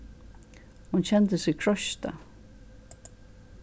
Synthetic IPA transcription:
hunɕɛnt̪əsɪkʰɹɔʃt̪a̰

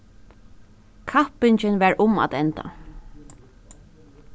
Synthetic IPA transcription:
kʰapɪɲt͡ʃɪnʋɛɹʔʊma̰t̪ɛnt̪a̰

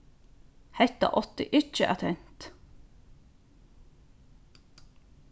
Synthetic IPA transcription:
hɛt̪ɑ̰ʔɔt̪ɪʔʏt͡ʃəʔæt̪ʰɛnt̪

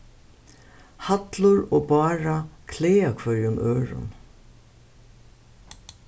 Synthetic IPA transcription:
hɑt̪lʊɹoːbɑːɹɑkʰleːɑkʰʋœʏʊnʔøːɹʊ̰n

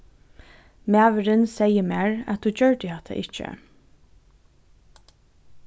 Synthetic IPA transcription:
mæːʋəɾɪnsɛjəmæːɹæ̰t̪̚uːt͡ɕœɹd̪əhɛt̪ʰa̰ʔɪt͡ʃːə̰

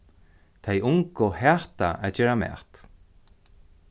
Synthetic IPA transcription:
t̪ʰejʊŋkʊhɛːht̪aʔæt͡ɕeːɹamɛ̰ːht̪

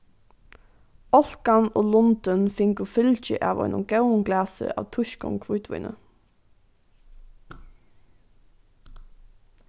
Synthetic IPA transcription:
ɔlkɑnoːlɔnd̪ənfɪŋɡʊfʏlçə̰ʔɑːʋɔ̰ʏnɔ̰mɡ̥æʊən̩ɡlæːsə̰ʔɑ̰ːʋt̪ʰʉʃkɔ̰ŋkʰʋʉːt̪ʋʉ̰ʏnə̰

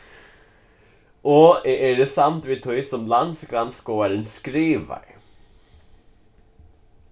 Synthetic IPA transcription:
ɔɛʔɛɹd̪ɛsamt̪vɪt̪ʰʊɪsɔmland̪sɡɾanskoːaɾɪnskɾiːva̰ɾ

